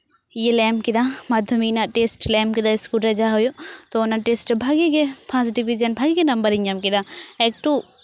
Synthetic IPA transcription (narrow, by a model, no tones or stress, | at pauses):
jelɛːmkid̪amaːd̪ʱjɐminaʈeːsʈlɛːmkid̪aɪskuʈɾɐd͡ʒaɦojot̪onaʈesʈbʱaːɡikepʰãsɖiʋid͡ʒɐnbʱaːɡikenɐmbəɾiɲɐmkid̪aɛk̚ʈu